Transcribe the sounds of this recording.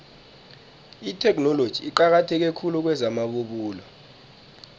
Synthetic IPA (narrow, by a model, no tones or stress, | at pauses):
itʰɛk̬ʰʼnɔlod̥ʒ̥ʱiiǃak̬atʰɛk̬ɛkʰulɔk̬wɛzamaɓoɓuːla